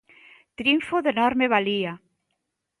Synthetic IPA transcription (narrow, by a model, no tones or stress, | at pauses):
t̪ɾiɱfoðenɔɾmeβalia